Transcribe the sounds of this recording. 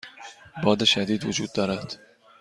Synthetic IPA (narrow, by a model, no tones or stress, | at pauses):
bɒd̪aʃad̪id̪vʊd͡ʒud̪ːaɾat̪